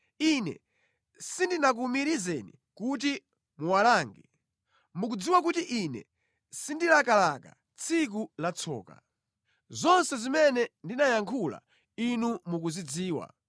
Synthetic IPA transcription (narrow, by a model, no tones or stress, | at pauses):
inɛ̰ | sindinak̬umiɾizɛnḭ | kut̬i | muwalaːŋɡɛ | muk̬ud͡ziwak̬utiʔinɛ̰ | sindilakalaka̰ | t͡sʰik̬ulat͡sʰɔ̰ːka | zɔnsɛzimɛnɛndinajaŋkʰula̰ | inumuk̬uzid͡ziːwa̰